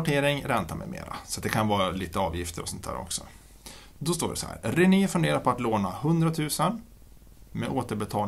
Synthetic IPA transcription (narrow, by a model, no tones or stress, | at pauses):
ʈʰeːɾɪŋɾɛnt̪amɛ̰mḛːɾa̰sɔat̪̚d̪ɛkʰanvɑːɾaliːt̪əɑːvjɪft̪ʰəɾɔsɔnt̪ʰæ̰ːɾɔ̰ksɔ̰ | d̪ɔst̪oːɖɛsɔ̰hæ̰ːɾɾɪniːfɵɳd̪eːɾapʰɔat̪loːnahɵnd̪ɾat̪ʰʉ̟ːsən | mɛʔoːt̪əɾbɛt̪ʰɑːl